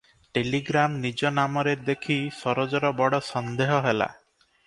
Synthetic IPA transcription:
ʈeliɡɾamnid͡ʒɔnamɔɾed̪ekʰisɔɾɔd͡ʒɔɾɔbɔɽɔsɔnd̪eɦɔɦela̰

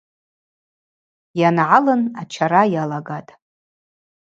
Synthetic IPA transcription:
janʕalɨnat͡ʃʰaɾajalaɡatʼ

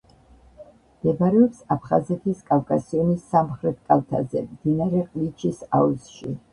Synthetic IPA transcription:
md̪ɛbaɾɛɔpsapʰχazɛt̪ʰiskʼavkʼasiɔnisːamχɾɛt̪̚ʰkʼalˠt̪ʰazɛmd̪̥inaɾɛqʼlit͡ʃʰisa̰uzʃi

